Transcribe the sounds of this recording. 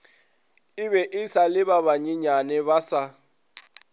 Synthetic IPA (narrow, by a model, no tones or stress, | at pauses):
ɪβɛʔɪsalɪβaβaɲiɲanɛβasa